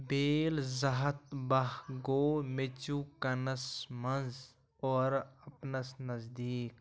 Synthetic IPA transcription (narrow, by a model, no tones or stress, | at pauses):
beːlzɐɦɐt̪̚bɐɦɡoːmet͡ʃukɐnɐsmɐnz | ɔːɾɐpnɐsnɐzd̪iːk